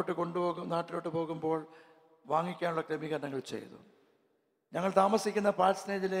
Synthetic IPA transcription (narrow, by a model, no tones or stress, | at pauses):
ʈːɨko̞ɳɖupo̞ːɣunaːʈːilo̞ːʈːɨpo̞ːɣumbo̞ːɭ | ʋaːŋːikʲːaːnuɭːɐkɾɐmiɣɐɾɐnɐŋːɐɭt͡ɕḛjðṵ | ɲɐŋːɐɭt̪aːmɐsikʲːunːɐpaːlsneːd͡ʑile